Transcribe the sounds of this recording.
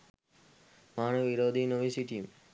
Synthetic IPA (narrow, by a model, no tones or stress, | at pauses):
maːnəʋiɾoːd̪ʱinoʋisiʈim